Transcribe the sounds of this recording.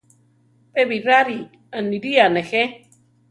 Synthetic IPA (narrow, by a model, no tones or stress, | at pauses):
pʼeβiɾaɾi | aniɾianexe